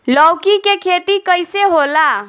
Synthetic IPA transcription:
ləwkikekʰet̪ikəjseɦola

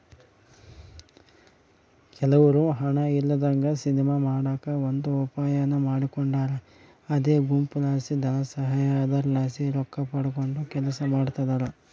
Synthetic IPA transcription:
kɛlɐʋɐɾuɦɐɳɐilːɐd̪ɐŋɡɐsinimɐmaːɽaːkɐond̪uɔpaːjɐnɐmaːɽikoɳɖaːɾɐː | d̪eːɡumpulaːsid̪ɐnɐsɐɦaːjaːd̪ɐɾlaːsiɾɔkːɐpɐɽuko̞ɳɖukɛlɐsɐmaːɽut̪ɐd̪aɾɐ

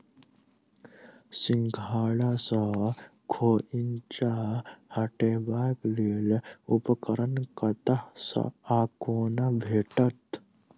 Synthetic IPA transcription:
sɪŋɡʱaːɭasəkʰoːint͡ʃahɐʈeːbaːkleːlupəkəɾənkɐt̪asɐ̰aːkoːnabʱeːʈət̪

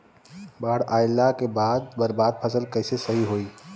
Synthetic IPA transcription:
baːɽaːɪlːakebaːd̪̚bɐɾbaːd̪̚pʰɐsəlkɐɪsesɐɦiɦoːiː

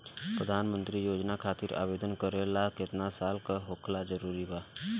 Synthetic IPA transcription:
pɾəd̪ʱaːnmə̃nt̪ɾijoːd͡ʒnakʰaːt̪ɪɾa̰ːbeːd̪ənkəɾelakɪt̪nasaːlkaɦoːkʰlazəɾuːɾibaː

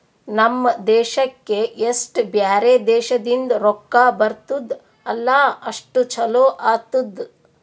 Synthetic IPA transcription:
nɐmːɐd̪ɛːʃɐkːeʔesʈbjaːɾeːd̪ɛːʃɐd̪ind̪ɾɔkːaːbɐɾt̪ud̪ | ɐlːaːɐʂʈut͡ʃʰɐloːʔaːt̪ud̪

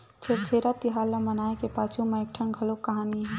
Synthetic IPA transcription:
t͡ʃʰep̚t͡ʃʰeɾat̪iɦaːlːamənaːekepaːt͡ʃʰumeek̚ʈʰənɡʱɐlokːəɦaːniɦɛ̃

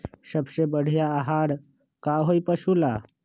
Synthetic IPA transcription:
səbɕebəɽ̤jaːɦaɽ | kaɦojpəʃula

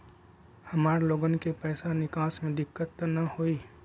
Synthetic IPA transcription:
hɐmaːɾloːɡənkepɛːsanɪkaːsmẽd̪ɪkːət̪ːnɐhoːiː

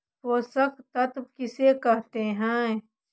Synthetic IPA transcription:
poːsɐkt̪ɐt̪bkɪsekɐɦt̪eɦɛ̃ː

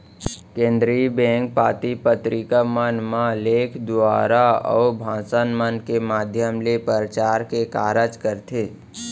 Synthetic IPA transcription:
kẽːnd̪ɾibẽːŋk̚paːt̪ipət̪ɾikəmənmãleːkʰd̪ʊaːɾaɔ̰ːbʱãːsənmənkemaːd̪ʱjəmlepəɾət͡ʃaːɾkekaːɾəd͡ʒkəɾt̪ʰeː

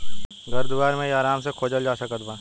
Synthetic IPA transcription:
ɡɐɾd̪ʊʋaːɾmẽaːɾaːmsekʰoːd͡ʒəld͡ʒaːsəkət̪bãː

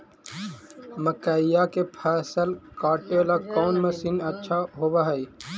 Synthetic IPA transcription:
məkaːɪjakepʰɛːsəlkaːʈeːlakɔːnmɐsinɐtːʃʰaɦobaɦəi

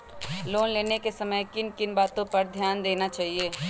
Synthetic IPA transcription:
loːnleːnekesɐməjkɪnkɪnbaːt̪õpɐɾd̪ʱjaːnd̪eːnat͡ʃaːɦieː

